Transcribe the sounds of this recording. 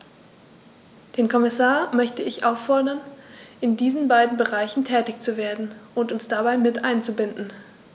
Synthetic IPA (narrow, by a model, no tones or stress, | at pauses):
d̥eːnkʰɔmɪsaːɐmœçtəɪçʔaʊfɔɐdɐnʔɪndiːzn̩baɪdn̩bəʁaɪçn̩tʰɛːtɪçt͡suveːɐdn̩ʔʊntʊnsd̥abaɪmɪtʔaɪnt͡subɪndn̩